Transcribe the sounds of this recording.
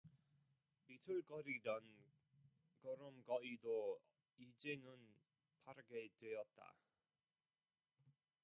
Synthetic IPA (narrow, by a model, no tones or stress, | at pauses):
pitʰɯɭk͈ʌɾiɾan | kʌɾɯmkʌido | id͡ʑenɯn | pʰaɾɯɡedwejʌt̚t͈a̰